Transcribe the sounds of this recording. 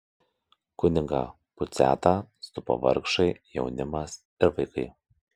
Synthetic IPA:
kʊnʲɪŋɡɑ̰ː | pʊt̪sʲæ̰ːt̪ɑst̪ʊpo̰ːʋɐ̰ɾkʃɐɪjɛ̰ʊnʲɪmɐs | ɪɾʋɐɪkɐɪ

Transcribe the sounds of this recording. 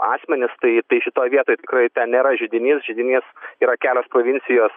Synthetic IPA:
ɑ̰ːsʲmʲɛnʲɪst̪ɐɪt̪ɐɪʃʲɪt̪oːjʋʲiɛt̪oːjt̪ʲɪkrɐɪt̪ʲɛnnʲeːɾɐʒʲɪd̪ʲɪnʲiːsʒʲɪd̪ʲɪnʲiːsiːɾɐkʲæːlʲoːspɾoːʋʲɪnʲt͡ssʲɪjoːs

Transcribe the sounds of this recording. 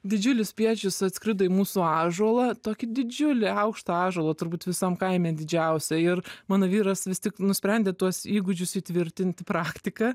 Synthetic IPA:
d̪ʲɪd͡ʒʲʊlʲɪsʲpʲiɛt͡ʃʲʊsɐt̪skɾʲɪd̪ɐɪmuːsuɑːʒuɔlˠɐt̪oːkʲɪd̪ʲɪd͡ʒʲʊlʲɪɐʊkʃt̪ɐɑːʒuɔlˠɐt̪ʊɾbuːt̪ʋʲɪsɐmkɐɪmʲɛːmd̪ʲɪd͡ʒʲɛʊsʲɛɪrmɑːnoːʋʲiːɾɐsʋʲɪsʲt̪ʲɪknʊsʲpʲɾʲɛnʲd̪ʲeːt̪uɔsiːɡʊd͡ʒʲʊsiːt̪ʲʋʲɪɾʲt̪ʲɪnʲt̪ʲɪpɾɑːkt̪ʲɪkɐ

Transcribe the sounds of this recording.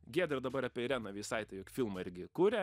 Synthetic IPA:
ɡʲiɛd̪ʲɾʲɛd̪ɐbɐɾɐːpʲɛɾʲɛnɐʋʲisɐɪt̪ɐɪjoːkʲfʲɪlˠmɐɪɾʲɡʲɪkuːɾʲɛ

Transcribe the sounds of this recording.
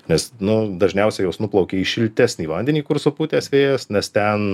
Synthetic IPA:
nʲɛsnʊd̪ɐʒʲnʲɛʊsʲɛjoʊsnʊplˠɐʊkʲeiʃʲɪlʲt̪ʲæːsʲnʲiːʋɐnʲd̪ʲɛnʲiːkʊɾsopuːt̪ʲeːsʋʲeːjɛsnʲɛst̪ʲɛn

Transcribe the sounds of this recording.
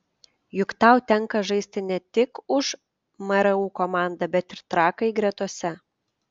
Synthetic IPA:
jʊkt̪ɑˑʊt̪ʲɛŋkɐʒɐɪsʲt̪ʲɪnʲɛt̪ʲɪkʊʃ | mɐɾɐuːkomɑˑnd̪ɐbʲɛt̪ɪɾt̪ɾɑːkɐɪɡɾʲɛt̪uɔsʲɛ

